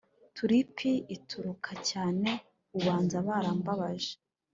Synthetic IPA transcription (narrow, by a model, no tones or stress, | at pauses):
tʰuɾipʰiitʰuɾukʰacaːne̞ | uɡwaːnzaβaɾaːmbaβaʒe